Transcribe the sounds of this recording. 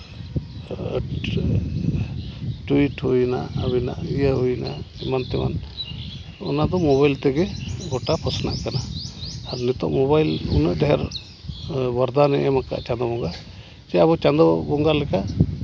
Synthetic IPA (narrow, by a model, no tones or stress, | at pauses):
ʈuiʈhujna̰abina̰ʔijaɦujna | imant̪ɛma̰n | ɔ̰nad̪ɔmɔβajlt̪ɛɡɛɡɔʈapʰɔsna̰ʔkanaaɾnɛt̪ɔ̰ʔmɔβajlṵnəʔd̪ɛɦɛɾ | baɾd̪anɛʔɛmaka̰ʔt͡ʃand̪ɔbɔŋɡa | d͡ʒɛabɔt͡ʃand̪ɔbɔŋɡalɛka